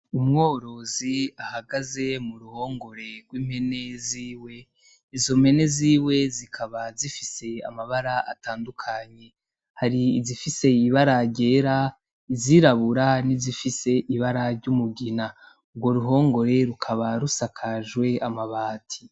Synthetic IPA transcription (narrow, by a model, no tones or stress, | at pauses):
umŋo̞ɾo̞ziahaɡaze̞muɾuho̞ːŋɡo̞ɾe̞ɾɡwiːmhe̞ne̞ziːwe̞ | izo̞mhe̞ne̞ziːwe̞zikʰaβazifise̞a̰maβaɾaataːndukʰaɲe̞ | haɾiːzifise̞iβaɾaɟe̞ɾa | iziɾaβuɾanizifise̞ʔiβaɾaɾɟumuɡina | uɡɡwo̞ɾuɦo̞ːŋɡo̞ɾe̞ɾukʰaβaɾusakʰaʒwe̞amaβaːtʰi̥